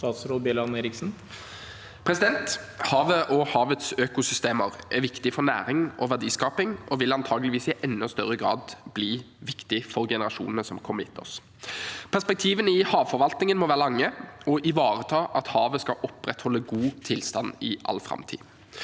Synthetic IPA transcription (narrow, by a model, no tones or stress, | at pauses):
t̪ɑːt̪sɾoːlbelɑneːɾɪksn̩ | pʰʁɛsɪd̪ɛnt̪hɑːʋəʔɔhɑːʋət̪søːkʊsʏst̪eːməʁʔɛʋɪkt̪ɪfɔɾnæ̰ːɾɪŋɔʋæd̪iːskɑːpɪŋʔɔʋɪlɑnt̪ʰɑːɡlɪʋiːsɪʔɛnːɔst̪œɾəɡɾɑ̰ːd̪bliː | ʋɪkt̪ɪfɔɾɡɛnəɾɑʂṵːnənəsɔmkʰɔməɪ̰t̪ʰːɔ̰s | pʰæʁspɛk̚t̪ʰiːʋənɪhɑːʋfɔɾʋɑlt̪nɪŋənmɔʋæːʁəlɑŋːəɔʔɪʋɑːɾət̪ʰɑːʔɑt̪hɑːʋəskɑʔɔpɾɛt̪hɔlːəɡuːt̪ʰɪlst̪ɑnːɪʔɑ̰lːfɾɑ̰mt̪ʰḭː